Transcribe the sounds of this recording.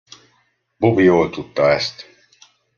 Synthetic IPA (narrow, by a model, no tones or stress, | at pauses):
bubijoːt̪ʰʼut̪ːaɛst̪